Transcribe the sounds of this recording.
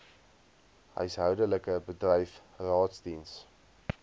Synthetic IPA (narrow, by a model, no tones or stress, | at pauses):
ɦœ̰ɥsɦœwdələkəbədrɛjf | rɑːtsdins